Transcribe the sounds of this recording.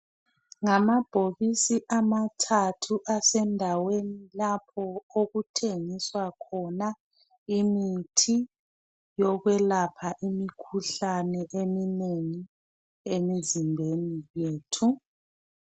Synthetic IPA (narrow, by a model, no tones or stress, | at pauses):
ŋamab̥ʱoβisiʔamatʰatʰuʔasɛndʱawenilapʰɔoɣutʰeŋiswakʰɔna | imitʰi | jɔɣwɛlapʰaʔimikʰuɬanɛʔemineŋi | emizimbʱenijeːtʰu